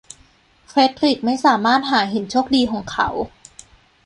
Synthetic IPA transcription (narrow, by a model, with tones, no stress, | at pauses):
fʰɾe˦˥t̪ʰɾi˨˩k̚ma˥˩jsaː˩˦maː˥˩t̪̚ɦaː˩˦ɦe˨˩˦nt͡ɕʰoː˥˩k̚diː˧kʰɔː˩˦ŋkʰa̰˦w